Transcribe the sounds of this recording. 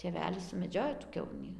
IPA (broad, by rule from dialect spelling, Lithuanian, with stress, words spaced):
tʲeːˈʋʲæːlʲɪs sʊmʲɛˈd͡ʒʲoːjoː tuː ˈkʲɛʊnʲiː